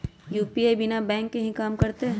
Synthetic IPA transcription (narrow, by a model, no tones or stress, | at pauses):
juːpiebɪnabɛ̃ːŋkːeɦĩkaːmkɐɾt̪eɦ